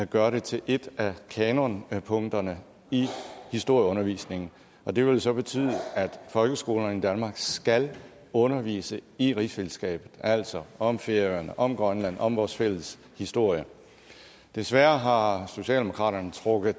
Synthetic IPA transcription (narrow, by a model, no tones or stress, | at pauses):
ɡ̥ɶːɐɾe̝t͡sʰe̝lʔe̝d̥ækʰɛnonpʰɔ̽ŋ̰d̥ɐnə | ihisd̥o̝ɐ̰jəɔ̽nɐʋḭːsne̝ŋn̩ | ɒ̽d̥e̝ʋe̝lsɒ̽b̥e̝t͡sʰy̰ːðˠəæd̥fɒ̽lɡ̥əsɡ̥o̝ːln̩id̥ænmɑ̈ːɡ̥sɡ̥æl | ɔ̽nɐʋḭːsəiʁisfeləsɡ̥ɛ̰ːb̥ð̩ˠæl̰sɒ̽ɒ̽mfe̝ɐjɐnəʔɒ̽mɡ̥ʁɶnlæn̰ɒ̽mʋɒːsfel̰əs | hisd̥o̝ɐ̰jə | d̥e̝sʋæɐɦɑ̈so̝ɕɛ̰ːlde̝mo̝kʰʁɑ̰̈ːɾ̥ɐnət͡sʰʁɔɡ̥ð̩ˠ